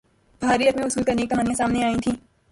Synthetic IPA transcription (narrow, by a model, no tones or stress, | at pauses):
b̥ʱaːɾiɐkmẽʊsuːlkɐɾneːk̚it̪ɐmaːnijãsaːmneaːĩt̪ʰĩː